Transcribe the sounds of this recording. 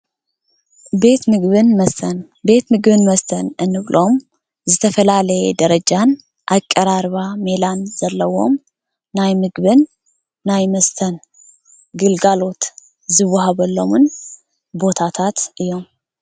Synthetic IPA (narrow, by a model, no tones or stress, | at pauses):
be̞t̪mɨɡβɨnməst̪ʰən | be̞t̪mɨɡbɨnməst̪ʰənɨnːɨβlʔom | zɨt̪ʰəfəlaləjɛd̪əɾəd͡ʒan | ʔakʼːəɾaɾβame̞lanz̥ɐlːəwo̞̰m | najmɨɡβɨnː | ajməst̪ʰən | ɡɨlɡalo̞t̪ | zɨβhabəlːəmɨn | bo̞t̪ʰat̪ʰat̪ʔɨjo̞m